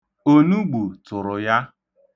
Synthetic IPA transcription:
o˦nu˦ɡ͡bo˨tʊ˨ɾʊ˨ja˦

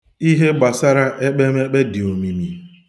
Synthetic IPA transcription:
i˦ɦe˦ba˨sa˦ɾa˦ʔe˦k͡pe˦me˦k͡pe˦dɪ˨o˨mi˨mi˨

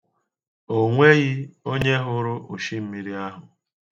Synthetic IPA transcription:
o˦ŋʷe˦ɣɪ˦o˦ɲe˦ɦʊ˦ɾʊ˦ʔʊ˨ʃi˦m̩˦mi˦ɾi˦a˦ɦʊ˨

